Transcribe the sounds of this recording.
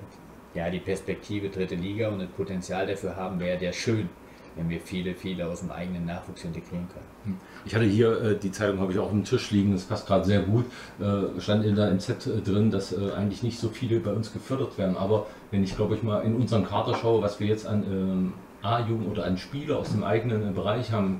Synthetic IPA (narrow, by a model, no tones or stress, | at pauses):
jaːdiːpʰɛɐspɛk̚tʰiːvədʁɪtəliːɡaʊntdaspʰotɛnt͡sjaːldafyːɐɦaːbm̩vɛːʁədeːɐʃøːn | vɛnviːɐfiːləfiːləaʊsd̥emʔa̰ɪɡənənːaːχv̥uːksʔɪnteɡʁiːʁənkʰœnən | ʔɪçhatəhiːɐʔɛːdiːt͡saɪtʊŋhafɪçaʊxʊm̩tʰɪʃliːɡŋ̩daspʰast̚ɡ̥ʁaːdəzeːɐɡuːt | ʔɛːʃtantɪdaːɪmt͡sɛtːdʁɪndasʔɛːʔa̰ɪɡŋ̩tlɪçnɪçtz̥oːfiːləbaɪʊnsɡ̥əfʏɐdɐtv̥eːɐdn̩ʔaːbɐ | vɛnɪçɡ̥laʊbəɪçmaːlʔɪnʔʊnzɐʁənkʰaɐtɐʃaʊəvasv̥iːɐjɛt͡stanɛː | ʔaːjuːɡŋ̩ʔoːdɐʔanʃpiːlɐa̰ʊsd̥eːmʔa̰ɪɡənənbəʁ̞aɪçhaːbm̩